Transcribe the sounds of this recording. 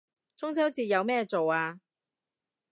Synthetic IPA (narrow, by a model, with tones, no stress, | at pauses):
t͡sʊ˥ŋt͡sʰɛː˥wt͡siː˧˨jɐ˨˧wmɛː˥t͡so˨waː˧